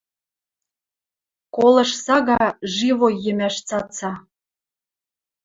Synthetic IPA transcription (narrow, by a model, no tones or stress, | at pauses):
kolɤ̆ʃsɑɣɑʒiβojɘ̆mæʃt͡sɑt͡sɑ